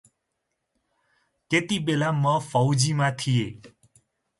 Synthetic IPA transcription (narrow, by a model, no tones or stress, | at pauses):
ket̪ibelamʌfʌwd͡ʒimat̪ʰie